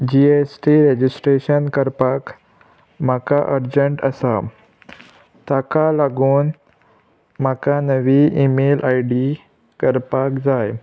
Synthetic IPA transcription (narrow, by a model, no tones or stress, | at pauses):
d͡ʑiesʈiɾed͡ʑisʈɾeɕənkəɾpak | m̤akaʔəɾd͡ʑəɳʈə̰sa | t̪akalaɡuːn | m̤akanəʋiimelʔajɖi | kəɾpakd͡zaj